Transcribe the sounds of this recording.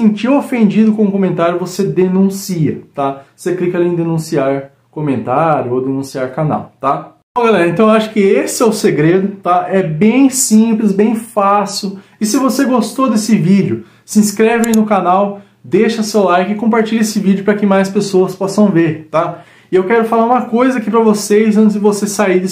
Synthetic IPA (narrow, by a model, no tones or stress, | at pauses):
sẽnt͡ʃiɾofẽnd͡ʒid̪ʊkõmʊkõmẽnt̪aɾjʊvosed̪enũsiɐt̪aoseklikɐalĩd̪enũsiaɾ | komẽnt̪aɾjʊowd̪enũsiaɾkana̰wt̪a | õɡalɛɾɐẽnt̪ɐ̃ẽʊaʃʊ̥kɪesɪɛʊseɡɾed̪ʊt̪aɛbẽj̃sĩplɪzbẽj̃fasʊ | ɪsɪvoseɡost̪od̪esɪvid͡ʒɪʊ | sɪĩskɾevɪẽnʊkanaw | d̪eʃɐsewlajkɪkõmpaɾt͡ʃiʎesɪvid͡ʒʊpɾɐkɪmajspesoɐspɔsɐ̃w̃veɾt̪a | ɪewkɛɾʊfalaɾũmɐkojzɐakipɾɐvosezɐ̃nt̪ɪzd̪ɪvosesaid̪ɪ